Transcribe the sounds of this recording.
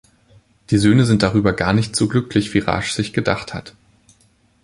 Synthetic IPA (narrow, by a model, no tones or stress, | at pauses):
d̥iːzøːnəzɪnt̚d̥aʁ̞yːbɐɡaːɐnɪçtz̥oːɡlʏklɪçv̥iːʁa̰ʃz̥ɪçɡ̥ədaχtha̰t